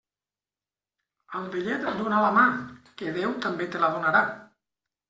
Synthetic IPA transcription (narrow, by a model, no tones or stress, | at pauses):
alβeʎɛt̪ad̪unalamakeðewt̪ambet̪elaðunaɾa